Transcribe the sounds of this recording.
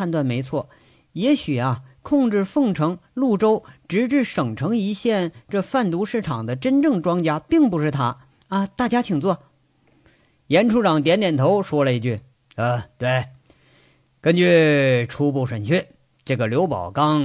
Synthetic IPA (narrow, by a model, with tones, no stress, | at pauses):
a˥˧nt̪wa˥˩nme˧˥ɪt͡sʰwɔ˥˩ | jɛ˧˥ɕy˨˩ɐ˦kʰʊ˥˧ŋʈ͡ʂɻ̩˥˧fɤ˥˧ŋʈ͡ʂʰɤ˧˥ŋlu˥˩ʈ͡ʂo˥ʊʈ͡ʂɻ̩˧˥ʈ͡ʂɻ̩˥˩ʂɤ˨˩ŋʈ͡ʂʰɤ˧˥ŋi˧˥ɕjɛ˥˧nʈ͡ʂɤ˥˧fa˥˩nt̪u˧˥ʂɻ̩˥˩ʈ͡ʂʰɑ˨˩ŋd̪ə˦ʈ͡ʂə˥nʈ͡ʂɤ˥˩ŋʈ͡ʂwɑ˥ŋt͡ɕja˥pi˥˩ŋpu˧˥ʂɻ̩˥˩t̪ʰa˥ | ɐ˧t̪a˥˩t͡ɕja˥t͡ɕʰi˨˩ŋt͡swɔ˥˩ | jɛ˧˥nʈ͡ʂʰu˥ʈ͡ʂɑ˨˩ŋt̪jɛ˧˥nt̪jɛ˨˩nt̪ʰo˧˥ʊʂwɔ˥lə˧i˧˥˧t͡ɕy˥˩ | ə˧˩t̪we˥˩ɪ | kə˥nt͡ɕy˥˩ʈ͡ʂʰu˥pu˥˩ʂə˨˩nt͡ɕʰɛ˥˩ | ʈ͡ʂɤ˥˩ɡə˩ljo˧˥ʊpɑ˨˩ʊkɑ˥ŋ